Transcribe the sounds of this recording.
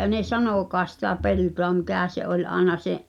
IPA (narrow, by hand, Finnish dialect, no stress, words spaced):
ne sɑnokˑɑːs sitæ peltoɑ mikæˑ se ʔolʲ ɑˑenɑ seʔ